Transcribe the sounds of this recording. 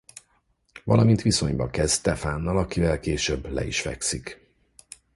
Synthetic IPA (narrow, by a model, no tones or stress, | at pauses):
vɒlɒmint̪ʋiso̞ɲbɒkɛzt̪ɛfaːnːɒlɒkivɛlkeːʃøbːlɛ̰ḭʃfɛ̰ksik